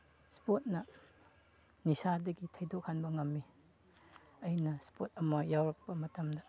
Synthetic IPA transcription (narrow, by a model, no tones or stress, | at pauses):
spot̚nɐ | nisadɐɡitʰɐjdok̚hanbɐŋɐmːi | ɐjnɐspot̚ɐmɐjawɾɐk̚pɐmɐtɐmdɐ